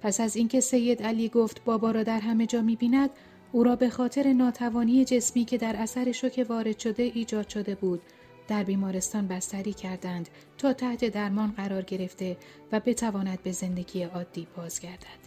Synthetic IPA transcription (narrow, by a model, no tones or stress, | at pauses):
pʰæsæziːncʰe̞se̞jːe̞d̪æliːɡoft̪bɒːbɒːɾɒːd̪æɾɦæme̞d͡ʒɒːmiːbiːnæd̪ | uːɾɒːbe̞xɒːt̪ʰe̞ɾe̞nɒːt̪ʰævɒːniːe̞d͡ʒe̞smiːcʰe̞d̪æɾæsæɾe̞ʃocʰe̞vɒːɾe̞d̪̥ʃo̞d̪e̞ʔiːd͡ʒɒːd̪̥ʃo̞d̪e̞buːd̪ | d̪̥æɾbiːmɒːɾe̞st̪ɒːnbæst̪æɾiːcʰæɾd̪ænd̪̥ | t̪ʰɒːt̪ʰæht̪ʰe̞d̪æɾmɒːnɢæɾɒːɾɟe̞ɾe̞ft̪e̞ | væbe̞t̪ʰævɒːnæd̪̚be̞ze̞nd̪e̞ɡʲiːeɒːd̪̥ːiːbɒːz̥ɡʲæɾd̪æd̪̥